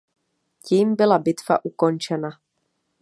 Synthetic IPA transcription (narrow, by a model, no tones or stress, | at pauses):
ciːmbɪlabɪt̪v̥a̰ʔuko̞nt͡ʃɛna